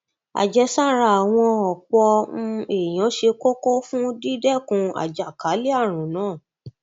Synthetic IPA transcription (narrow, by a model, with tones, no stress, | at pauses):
a̰˨d͡ʒɛ˧sa˦˨ɾa˧˨a˨w̃ɔ̃˧ɔ˨k͡pɔ̃˧e˨j̃ɔ̃˨˦ʃe˧ko˦ko˦fũ˦di˦dɛ˦˨kũ˧a̰˨d͡ʒa˨ka˨˦li˦a˦˨ɾ̃ũ˨nãː˨˦˨